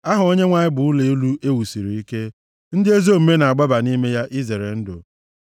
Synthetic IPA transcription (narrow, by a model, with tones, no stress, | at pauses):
a˦ɦʊ˨o˦ɲe˦ŋʷa˨ɲɪ˦bʊ˨ʊ˦le˨˦lu˦e˦wu˨si˨ɾi˨i˦ke˦ | n̩˦dɪ˦e˦zo˦˨m̩˨me˦na˨a˨ɡ͡ba˦ba˨ni˦me˦ja˦ʔi˦ze˨ɾe˨n̩˦dʊ̰˨